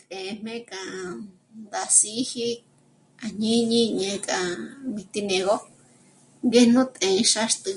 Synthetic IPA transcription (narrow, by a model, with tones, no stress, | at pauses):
t̪ẽ˨˧m̥mẽ˦kʼã˨˧ | nd̪a˨˧si˦hi˦ | a˨ɲĩ˦ɲĩ˦ɲẽ˧kʼã˨βi˧t̪i˧nẽ˧ɣo˦ | ŋɡe˦n̥ũ˦t̪ʼẽ˨˧ʃa˦ʂt̪ɨ˧